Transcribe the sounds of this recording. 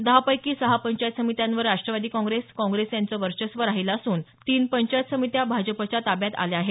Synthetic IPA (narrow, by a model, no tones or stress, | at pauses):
d̪əɦapəjkiːsəɦapəɲt͡ɕajt̪səmit̪jãnʋəɾːaʂʈɾəʋad̪iːkɔ̃ŋɡɾeskɔ̃ŋɡɾesjant͡səʋəɾɕəsʋəɾaɦiləsuːnt̪iːnpəɲt͡ɕajət̪səmit̪jabʱad͡ʑəpət͡ɕat̪abjat̪a̰leaɦe